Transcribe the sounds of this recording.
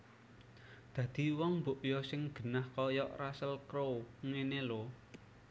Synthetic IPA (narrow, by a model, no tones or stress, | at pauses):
d̪̥ä̤d̪̥i̤wɔŋmboʔjɔsɪŋɡ̥ə̤nahkɔjɔʔrasəlkɾoŋenelo